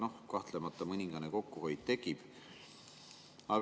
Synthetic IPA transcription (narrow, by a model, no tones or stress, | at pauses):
no̞hkɑht̪lemɑt̪ːˑɑmɯnʲiŋɡ̥ɑneko̞kːuɦo̞jd̪̥̚t̪e̞kˑib̥ | ɑɡ